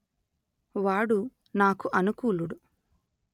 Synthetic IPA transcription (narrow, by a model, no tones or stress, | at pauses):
ʋaːɽu | naːkuʔɐnukuːluɽu